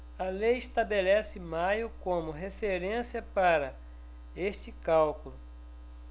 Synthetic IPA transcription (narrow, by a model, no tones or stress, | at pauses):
ɐlejɪst̪abelɛsɪmajʊkõmʊɦefeɾẽsiɐpaɾɐ | est͡ʃɪkawkulʊ